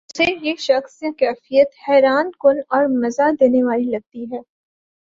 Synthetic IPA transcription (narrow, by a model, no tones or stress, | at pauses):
ʊsejeʃɐxsẽkɛːfijət̪hɛːɾaːnkʊnɔːɾmɐzad̪eːneʋaːlilɐɡ̚t̪iɦɛː